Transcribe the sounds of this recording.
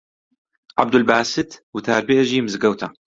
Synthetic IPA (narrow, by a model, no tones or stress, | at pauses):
ʕa̰b̚d̪ʊlbaːsɪt̪wt̪aːɾbiʔʒiːmɪzɡɐwt̪ʰa